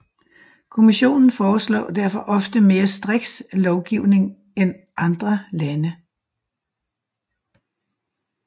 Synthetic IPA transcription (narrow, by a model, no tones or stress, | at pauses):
kʰo̝miɕo̝̰ːnn̩fɒːslɒ̰ːd̥æɐ̰fɒ̽ʔɒ̽fd̥əme̝ːɐsd̥ʁɛɡ̥slɒʊɡ̥iʊ̰ne̝ŋ | en | ʔɑ̈nd̥ʁɐlænə